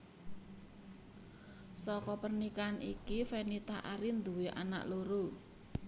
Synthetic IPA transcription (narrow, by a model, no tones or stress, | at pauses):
sɔkɔpərnikanʔḭkifenit̪a̰ʔaɾind̪uweʔa̰na̰ʔloɾo